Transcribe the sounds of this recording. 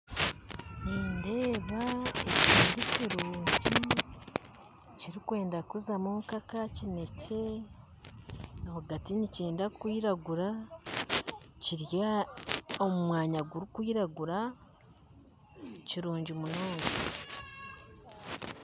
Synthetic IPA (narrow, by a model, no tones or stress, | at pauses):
niːnde̞ːβaeciːndiciɾuːɲɟi | ciɾikwe̞ːndakuzamumukakacine̞ce̞ | nahaɡatiniceːndakwiːɾaɡuɾa | ciɾja | omumwaːɲaɡuɾikwiːɾaɡuɾa | ciɾuːɲɟimunoːŋe